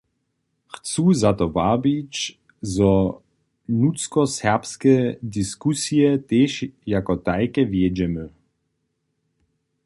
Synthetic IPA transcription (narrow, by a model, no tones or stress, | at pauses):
xt͡suzat̪ɔvabit͡ʃ | zɔ | nut͡skɔsɛʁpskɛdiskusiɛt̪eːʃjakɔt̪ajkɛvjɛd͡ʑɛmə